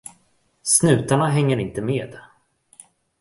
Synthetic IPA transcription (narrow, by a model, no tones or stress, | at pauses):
snʉ̟ːt̪aɳaɦɛŋːəɾɪnt̪əmeːd̪